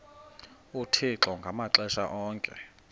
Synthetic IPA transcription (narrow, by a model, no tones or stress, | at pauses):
utʰiǁɔŋɡʱamaǁɛʃa̰ʔɔːŋkʼɛ̰